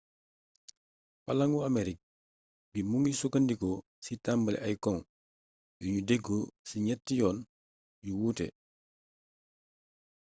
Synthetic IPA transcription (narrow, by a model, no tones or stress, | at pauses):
pɐ̰lɐŋuɐmeɾik̚ | bimuŋisukɐndikɔ | sitambəlɛ̰ʔɐjkɔŋ | juɲudeɡːosiɲɛtːijɔːn | juwuːtɛ̰